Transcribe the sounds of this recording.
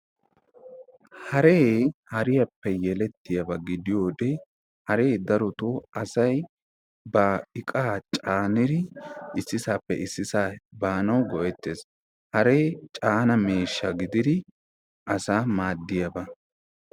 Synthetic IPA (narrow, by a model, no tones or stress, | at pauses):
hɐɾeːhɐɾɪjɐpːɛjɛlɛt̪ːɪjɐbɐɡɪd̪ɪjoːd̪e | hɐɾe̞ːd̪ɐɾɔt̪oːʔɐsɐj | bɐɪkʼaːt͡ʃʼaːnɪɾɪɪsːɪsaːpːɛ̰ʔɪsːɪsaːbaːnɐwɡɔʔɛt̪ːeːs | hɐɾe̞ːt͡ʃʼaːnɐmeːʃːɐɡɪd̪ɪd̪ɪ | ʔɐsaːmaːd̪ːɪjɐbɐ